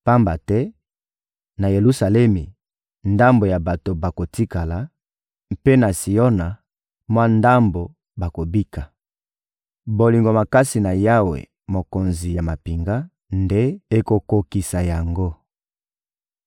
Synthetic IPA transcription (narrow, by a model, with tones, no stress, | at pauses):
pa˦mba˨tɛ˦ | na˨je˨lu˦sa˨lɛ˦mi˨ | nda˦mbo˨ja˨ba˨to˨ba˨ko˨ti˦ka˨la˨ | mpe˦na˨si˨jɔ˦na˨ | mwa˦nda˦mbo˨ | ba˨ko˨bi˦ka˨ | bo˨li˨ŋɡo˨ma˨ka˦si˨na˨ja˦wḛ˨ | mo˨ko˨nzi˨ja˨ma˨pi˨ŋɡa˦ | nde˦e˦ko˨ko˨ki˨sa˨ja˨ŋɡo˦